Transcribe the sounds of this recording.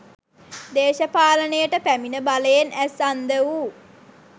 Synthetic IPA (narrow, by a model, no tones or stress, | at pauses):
d̪eːʃɐpaːlənəjəʈəpæminəbaləjenæsand̪əʋu